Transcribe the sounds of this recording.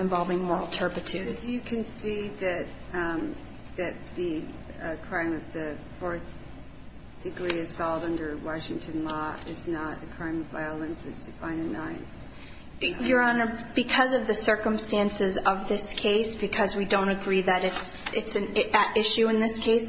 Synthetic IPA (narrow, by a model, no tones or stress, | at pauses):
ɨ̃ɱvɑlˠvɪ̃ŋmɔɹl̩ˠtʰɜ˞pɨtʰʉddɨjɨkʰɨ̃nsiðɨt̪̚ | ðɨt̪̚ðɨ | kʰɹ̥ãɪ̃mʌvðɨfɔɹθ | d̥ɨɡɹiɨz̥sɔlˠdʌ̃ndə˞wɑʃɪ̃ŋtʰɨ̃nlɔɪ̰znəɾɨkʰɹ̥ãɪ̃mʌva̰ɪəlˠɨ̃nsɨ̰z̥tʰɨfãɪ̃ndɨnãɪ̃n | jə˞ə̃nə˞b̥ɨkʰʌzʌvðɨsɜ˞kə̃mstæ̃nsɨzʌvðɪskʰeɪsb̥ɨkʰʌzwidõʊ̃ñɨɡɹiðɨɾɨts | ɪtsɨ̃nʔɪʃʉɨ̃nðɪskʰeɪs